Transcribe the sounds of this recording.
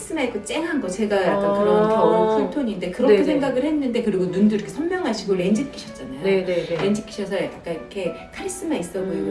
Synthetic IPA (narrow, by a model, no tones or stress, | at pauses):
is͈ɯmaik͈ʰɯt͡ɕ͈e̞ŋɦanɡʌt͡ɕe̞ɡajakk͈ankɯɾʌnotʰʌʌɾʌɡsʰʌɭtʰoɲinde̞kɯɾʌkʰesʰe̞ŋɡaɡɯɭhe̞nːɯnde̞kɯɾiɡonunduiɾʌkʰe̞sʰʌmmjʌŋɦaɕʰiɡoɾend͡ʑik͈ʰːiɕʰʌt̚t͡ɕ͈anajooneɾend͡ʑik͈ʰːi̥ɕʰʌsʰʌkak͈aniɾʌkʰe̞ | kʰaɾis͈ɯmais͈ʌɡojoo